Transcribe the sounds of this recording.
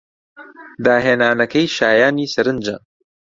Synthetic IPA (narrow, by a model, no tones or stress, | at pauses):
d̪aːɦeːnaːnɐkɐjʃaːjaːniːsɐɾɨnd͡ʒɐ̰